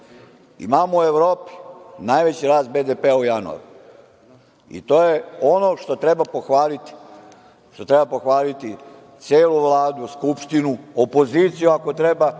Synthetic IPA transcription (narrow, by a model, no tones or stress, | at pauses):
ḭmaːmoueʋɾo̞ːpi̥najʋe̞t͡ɕiɾaːst̪̚bed̪epeaujanṵa̰ɾu | ḭt̪oːjeo̞no̞ʃt̪o̞t̪ɾe̞bapo̞xʋaːlit̪i̥ | t̪o̞t̪ɾe̞bapo̞xʋaːlit̪i | t̪sjeːluʋlˠaːd̪uskupʃt̪inuopo̞ziːt̪sijuako̞t̪ɾe̞ba